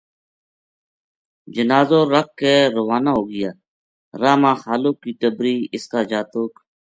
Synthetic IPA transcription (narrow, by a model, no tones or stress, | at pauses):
d͡ʒənaːzõːɾək̚ːeːɾʊʋaːnaːɦoːɡɪjaː | ɾaːmãːxaːloːkːiːʈ̪əbɾiːɪskaːd͡ʒaːt̪oːk